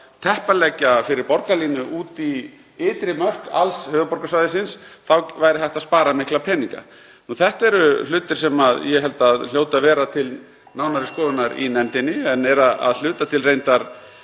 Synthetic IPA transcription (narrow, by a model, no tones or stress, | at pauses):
t̪ʰɛhpalɛcafɪɾɪɾpɔɾkaliːnʏʔuːt̪i | ɪːt̪ɾɪmœr̥ka̰lshœːðʏpɔɾkasvajðɪsɪnsθawvaːjɾɪθɛjht̪aðspaːɾamɪhklapʰɛːniŋka̰ | nuθɛht̪aɛɾʏl̥ʏːt̪ɪɾ̥sɛmaðjɛɦɛlt̪aðl̥joːwt̪avɛːɾat̪ʰɪl | nawnaɾɪskɔːðʏnaɾḭnɛnt̪ɪnːɪɛnɛɾaa̰ðl̥ʏːt̪at̪ʰɪlrejnt̪aɾ̥